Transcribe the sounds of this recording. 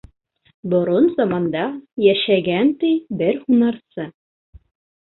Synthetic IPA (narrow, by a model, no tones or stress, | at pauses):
bŏɾonzɑmɑnd̪ɑjæʃæɡænt̪ɘjbɘɾhunɑɾsɤ